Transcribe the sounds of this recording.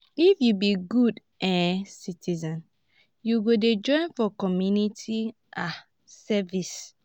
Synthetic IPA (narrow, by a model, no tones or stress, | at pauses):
ifjubiɡud | ɛ̃sitizɔ̃n | juɡoded͡ʒɔ̃ɪ̃nfɔkɔmjunitʰi | ʔa | sɛvis